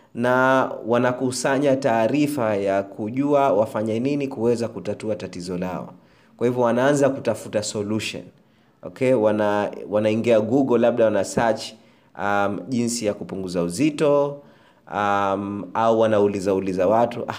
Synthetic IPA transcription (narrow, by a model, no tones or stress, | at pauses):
nawanakusaɲataːɾifajakʰuʄuawafaɲɛninikuwɛzakutatuatatizɔla̰ɔ̰ | kwahivɔwanaanzakutafutasɔluʃɔ̰n | ɔ̰kʰɛwanawanaiŋɡiaɡuɠɔlaɓ̚ɗawanasat͡ʃ | amʄinsijakupuŋɡuzauzitɔ | amauwanaulizaulizawatuʔa